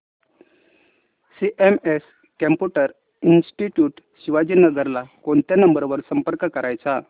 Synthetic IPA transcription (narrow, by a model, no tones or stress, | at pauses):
siʔemes | kəmpuʈəɾ | insʈiʈjuːʈ | ɕiʋad͡ʑiːnəɡəɾlakoɳt̪janəmbəɾʋəɾsəmpəɾkəkəɾajt͡sa